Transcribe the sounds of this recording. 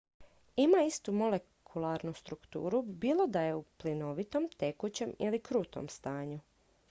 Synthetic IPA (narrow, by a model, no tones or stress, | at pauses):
imaist̪umo̞le | kʰulˠaɾnust̪ɾukt̪ṵːɾubiːlˠo̞d̪aje̞uplino̞ʋit̪o̞mt̪e̞kut͡ɕe̞milikɾuːt̪o̰mst̪aːɲu